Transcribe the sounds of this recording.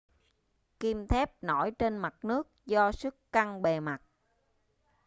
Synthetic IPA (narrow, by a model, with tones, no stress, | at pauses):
ki˧mt̪ʰɛ˦˥p̚no˧˩jt͡ɕe˧nma˨˩t̚nɨ˦˥ək̚zɔ˧sɨ˦˥kːa˧ŋɓe˨˩ma˨˩t̚